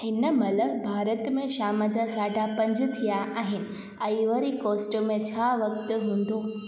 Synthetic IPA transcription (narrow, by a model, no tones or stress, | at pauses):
hɪnəmɐləbʱaːɾət̪mẽʃaːməd͡ʑasaːɖʱapɐ̃ɲd͡ʑt̪ʰijaʔaːɦɪnɪ̆ | ɐ̃iʋəɾikoːsʈəmẽt͡ɕʰaʋɐk̚t̪ɦũːn̆d̪oː